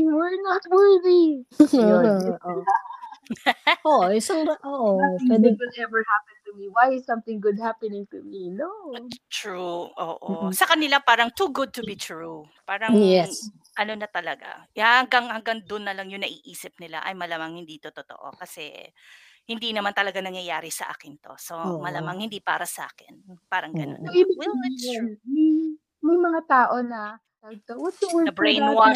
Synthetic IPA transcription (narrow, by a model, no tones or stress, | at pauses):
jwɛɹnat̪̚wɛɹði | ʔoa | ʔoʔʔɪsaŋʔoːʔoɛd̪ɪɡʊd̪ɛvə˞hapɛ̃nt̪ʊmiwajɪssɐ̃mθɪ̃ŋɡʊd̪̚hapɪnɪ̃ŋt̪ʊminot̪ɹuʔo̰ːʔosɐkɐnɪlapaːɾɐŋt̪uɡʊd̪̚t̪ʊbit̪ɹu | paːɾɐŋjɛs | ʔɐnonɐt̪ɐlɐɡa̰ahɐŋɡaŋhɐŋɡaŋd̪ʊnːɐlɐŋjʊŋnɐʔiːʔiːsɪp̚nɪla̰ʔɐ̰jmɐlamaŋhɪnd̪it̪ot̪ot̪o̰ʔo̞̰kɐsɛ̰ | hɪnd̪inɐmant̪ɐlɐɡanɐŋjɐjaːɾɪsɐ̰ʔa̰ːkɪnt̪o̞̰so̞mɐlamaŋhɪnd̪ipa̰ːɾɐsɐʔa̰ːkɪnpaːɾɐŋɡɐnonoibwil | mɐj | mɐjmɐŋat̪aːʔonɐ | ɐt̪ot̪ɐbɹejnwa